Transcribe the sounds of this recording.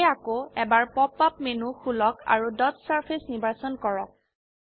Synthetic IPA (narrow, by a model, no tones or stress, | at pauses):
jakoɛbaɹpɔpːapmenuxulɔka̰ɹudɔtsaɹpʰesnibasɔnkɔɹɔk̚